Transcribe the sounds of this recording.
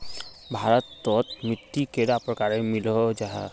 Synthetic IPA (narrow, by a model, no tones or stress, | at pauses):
bʱaɾɔt̪ːɔt̪mɹit̪ːikeɾapɾɔkaɾemilɔd͡ʒaɦa̰